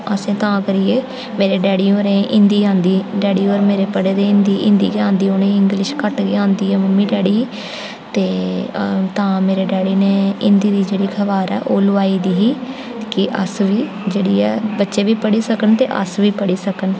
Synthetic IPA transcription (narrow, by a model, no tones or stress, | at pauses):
əsẽːt̪ãːkəɾiːeː | meːɾeːɖɛːɽiːoːɾẽːʔɪ̃nd̪iːãːnd̪iːɖɛːɽiːoːɾmeːɾeːpəɽeːd̪eːɪ̃nd̪iːʔɪ̃nd̪ḭːd͡ʒãːnd̪iːoːnẽːɪ̃ŋɡlɪʃkəʈɡeːãːnd̪iːɛːməmːĩːɖɛːɽiː | t̪eː | t̪ãːmeːɾeːɖɛːɽiːneːɪ̃nd̪iːd̪iːd͡ʒeːɽiːkʰəʋaːɾɛ̰ːʔoːlʊaːiːd̪iːɦiː | kɪʔə̰sʋiː | d͡ʒeːɽiːɛːbətːʃeːʋiːpəɽiːsəkənt̪eːʔə̰sʋiːpəɽiːsəkən